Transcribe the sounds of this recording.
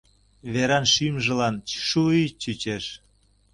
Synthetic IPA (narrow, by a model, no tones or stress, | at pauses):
βeɾɑnʃymʒə̆lɑnʃuit͡ɕyt͡ɕeʃ